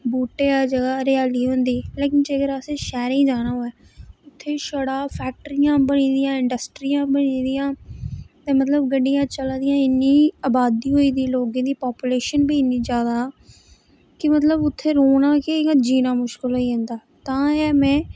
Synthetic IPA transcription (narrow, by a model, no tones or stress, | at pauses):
buːʈeːaːd͡ʒəɡaːɾɪaːliːɦʊ̃nd̪iːleːkɪnd͡ʒeəɡəɾaseːʃɛːɾĩːd͡ʒaːñaːɦoːɛː | ʊt̪ʰːeːʃəɽaːpʰɛːk̚ʈəɾijãːbəñĩːd̪ɪjãːɪɳɖəsʈɾijãːbənĩːd̪ɪjãːt̪ɛ̃ːmət̪ləbɡəɖijãːt͡ʃəlad̪ɪjãːɪnːĩːaːbaːd̪iːɦoːiːd̪iːloːɡẽːd̪iːpɔːpuleːʃənbʱiːɪnːĩːd͡ʒjaːd̪aː | kɪmət̪ləbʊt̪ʰːeːɾoːnãːked͡ʒiːnaːmʊʃkɪlɦoːiːɦʊ̃nd̪aː | t̪ãːɛːmɛ̃ː